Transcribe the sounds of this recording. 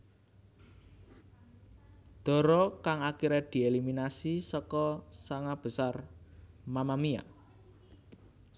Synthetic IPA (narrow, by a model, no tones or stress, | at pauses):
d̪̥ɔ̤ɾɔkaŋakiɾɛd̪̥i̤eliminasisɔkɔsaŋab̥ə̤sar | mamamia̰